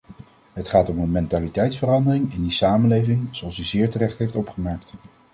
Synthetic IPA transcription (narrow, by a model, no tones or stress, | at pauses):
ɦətχaːtɔmənmɛntaːlitɛjtsfərɑndərɪŋɪndisaːmənlejvɪŋz̥oɑlˠsyzɪːɹtərɛχtɦejftɔpχəmɛɹk̚t